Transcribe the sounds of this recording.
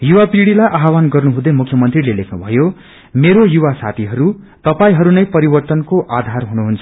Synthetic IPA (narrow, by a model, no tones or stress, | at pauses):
juwapriɽilajʔaɦawanɡʌrnuɦũd̪ʌmukʰjʌmʌnt̪rilelekʰnubʱʌjo | meɾojuwasa̰t̪ʰiɦʌɾu | t̪ʌpaĩɦʌɾunʌjpʌɾibʌrt̪ʌnkoʔad̪ʱarɦunuɦunt͡sʰʌ